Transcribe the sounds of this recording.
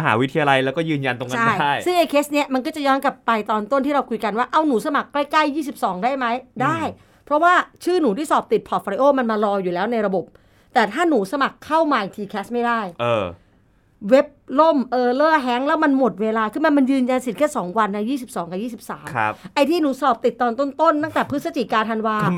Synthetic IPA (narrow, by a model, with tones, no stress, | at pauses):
ma˧ɦaː˩˦wi˦˥t̪ʰi˧jaː˧la˧jlɛː˦˥wkɔː˥˩jɯː˧nja˧nt̪o˧ŋka˦an˥˩ja˥˩jsɯ˥˩ŋʔa˧jkʰeː˦˥sni˦˥ɐma˧nkɔ˥˩t͡ɕa˨˩jɔː˦˥nka˨˩pːa˧jt̪ɔː˧nt̪o˥˩˨nt̪iː˥˩ɾa˧wkʰu˧jka˧nwaː˥˩ʔa˧wnuː˩˦sa˧ma˨˩k̚pa˧jkla˥˩jjiː˥˩si˨˩p̚sɔː˩˦ŋdaː˥˩jma˦˥jdaː˥˩j | pʰɾɔ˦˥waː˥˩t͡ɕʰɯː˥˩nuː˩˦t̪iː˥˩sɔː˨˩p̚t̪i˨˩t̪̚pʰɔ˨˩t̪̚fɔː˧ɾi˧ʔoː˥˩ma˧nmaː˧ɾɔː˧juː˨˩ɛː˦˥wna˧jɾa˧bo˨˩p̚ | t̪ɛː˨˩t̪ʰaː˥˩nuː˩˦sa˧ma˨˩kʰːa˥˩wmaː˧˩ja˨˩t̪ʰiː˧kʰɛː˦˥st̚ma˥˩jdaː˥˩jʔɤː˧ | we˦˥p̚lo˥˩mʔɤː˧lɤː˥˩ɦɛ˦˥ŋlɛː˦˥wma˧nmo˨˩t̪̚weː˧laː˧kʰɯː˧ma˧nma˧njɯː˧nja˧nsi˨˩t̪̚kʰɛː˥˩sɔː˩˦ŋwa˧nːa˦˥jiː˥˩s̬i˨˩p̚sɔː˩˦ŋka˨˩jiː˥˩si˨˩p̚sa̰ː˩˦m˦ʔa˧jt̪ʰiː˥˩nuː˩˦sɔː˨˩p̚t̪i˨˩t̪ːɔː˧nt̪o˥˩nt̪o˥˩nt̪a˥˩ŋt̪ɛː˨˩pʰɯ˦˥t̪̚sa˧t͡ɕi˨˩kaː˧t̪ʰa˧nwaː˧